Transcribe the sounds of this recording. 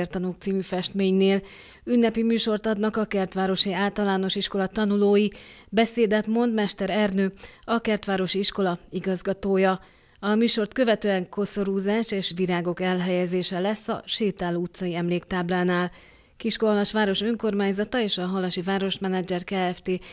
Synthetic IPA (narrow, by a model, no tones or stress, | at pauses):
rt̪ɒnok̚t̪siːmyfɛʃt̪meːɲneːl | ynːɛpimyːʃo̞rt̪ɒd̪nɒkɒkɛrt̪ʋaːɾo̞ʃiaːlt̪ɒlaːno̞ʃiʃko̞lɒt̪ɒnuloːjibɛseːd̪ɛt̪mo̞nd̪mɛʃt̪ɛɾɛrnøːɒkɛrt̪ʋaːɾo̞ʃiiʃko̞lɒiɡɒzɡɒt̪oːjɒ | ɒmyːʃo̞rt̪kø̞vɛt̪øːɛŋko̞so̞ɾuːzaːʃeːʃʋiɾaːɡo̞kɛlɦɛjɛzeːʃɛlɛsːɒ̰ʃeːt̪aːlut̪sɒjiɛmleːkt̪aːblaːnaːl | kiʃkoɒlɒʃʋaːɾo̞ʃø̞ŋko̞rmaːɲzɒt̪ɒeːʃɒɦɒlɒʃivaːɾo̞ʃmɛnɛd͡ʒɛrkaːɛft̪eː